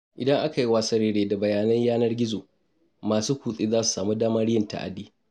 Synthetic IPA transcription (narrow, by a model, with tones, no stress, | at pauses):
ʔɪ˨dɐ˦ŋʔa˦ka˨ji˦waː˦sɐ˦ɽeː˦ɽeː˦da˨bɐ˨jaː˨nɐ˦ɲjaː˦nɐ˦rɡʲɪ˦zoː˨ | maː˨suː˦kʷuː˨sʼiː˦zaː˦su̥˨saː˨mu˦daː˦mɐ˦ɽɪ˦jɪ˦˨nta̰˨ʔa̰˨diː˦